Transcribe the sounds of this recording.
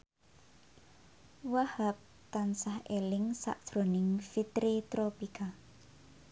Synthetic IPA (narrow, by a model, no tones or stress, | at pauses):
wahap̚ | t̪ansahelɪŋsa̰ʔd̥ʒ̥ɾo̤nɪŋfit̪ɾit̪ɾopika